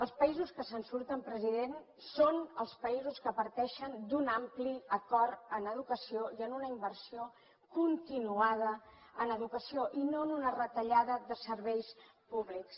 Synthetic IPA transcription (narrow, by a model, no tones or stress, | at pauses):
əlˠspəizuskəsənsuɾt̪əmpɾəziðen | sonəlˠspəizuskəpəɾt̪ɛʃənd̪unampliəkɔɾənəð̞ukəsioiənunəimbərsio | kunt̪inuaðə | ənəðukəsioʔinonunərət̪əʎaðəðəsəɾβɛjspuβliks